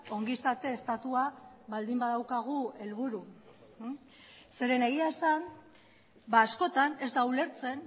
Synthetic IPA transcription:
o̞ŋɡisat̪e̞ːst̪at̪uaβald̪imbaðawkaɣ̞ue̞lβuɾu | se̞ɾe̞ne̞ɣiae̞san | baːsko̞t̪ane̞zd̪aule̞ɾt͡se̞n

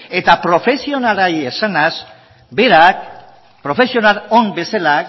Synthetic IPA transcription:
e̞t̪apɾo̞fe̞sio̞nalajesanaz | be̞ɾak | pɾo̞fe̞sio̞nalombe̞sala

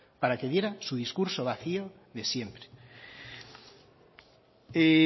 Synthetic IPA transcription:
paɾakeðje̞ɾasuðiskuɾso̞βaθio | ðe̞sje̞mpɾe | e

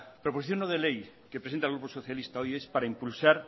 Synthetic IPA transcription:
pɾoposiθjonoðelejkepɾesent̪alɣɾuposoθjalist̪aojespaɾaimpulsaɾ

